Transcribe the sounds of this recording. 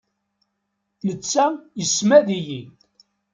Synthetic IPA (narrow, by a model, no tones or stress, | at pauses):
nət͡sːæjəsmæðiji